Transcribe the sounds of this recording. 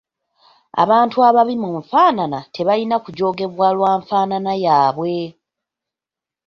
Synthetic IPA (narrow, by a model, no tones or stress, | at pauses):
a̰βaːntuaβaβimuɱfaːnanatʰe̞βalinakuɟo̞ːɡe̞βwaːlwaːɱfaːnanajaːβwe̞